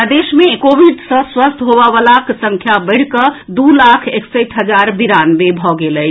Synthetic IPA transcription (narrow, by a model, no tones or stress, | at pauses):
d̪esmekobʱiɖsə̃swəst̪ʰɦobəʋəlaksə̃ŋkʰjabəɪɽ̤kəd̪ulakʰeksəʈʰɦəd͡ʒaɾbiɾanbebʱɔɡeləj